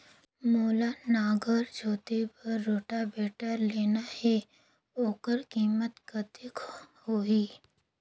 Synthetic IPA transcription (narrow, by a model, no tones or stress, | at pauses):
moːlanaːɡəɾd͡ʒʱoːt̪ebɐɾːoːʈabeːʈəɾleːnahe | oːkəɾkiːmət̪kət̪ɪkhoːiː